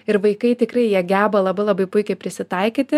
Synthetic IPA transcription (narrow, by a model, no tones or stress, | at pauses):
ɪɾʋɐɪkɐɪt̪ʲɪkrɐɪjiɛɡʲæːbɐlˠɐbɐɪlˠɐbɐɪpʊɪkʲɛɪpʲɾʲɪsʲɪt̪ɐɪkʲiːt̪ʲɪ